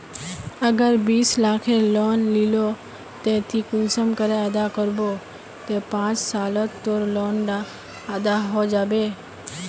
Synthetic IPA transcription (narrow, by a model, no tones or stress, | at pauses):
əɡəɾbiːslaːkʰeloːnlilo | t̪et̪ʰikʊnsəmkəɾeəd̪akəɾboː | t̪epãːt͡ʃsaːlət̪ːoɾloːnd̪a | əd̪aɦod͡ʒaːbeː